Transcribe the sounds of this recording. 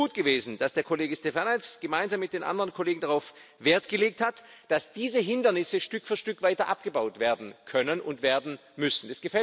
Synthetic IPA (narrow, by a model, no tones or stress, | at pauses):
uːtɡ̥əveːzn̩d̥asd̥eːɐkʰoleːɡəstefɛɐnat͡sɡ̥əmaɪnzaːmːɪt̚d̥eːnʔa̰ndəʁənkʰoleːɡŋ̩daʁaʊfv̥eːɐtɡ̥əleːk̚thatd̥asd̥iːzəɦɪndɐnɪsəʃtʏkfyːɐʃtʏkv̥aɪtɐʔapɡ̥əbaʊtv̥eːɐdn̩kʰœnənʔʊntv̥eːɐdn̩ | mʏsn̩d̥asɡ̥əfɛ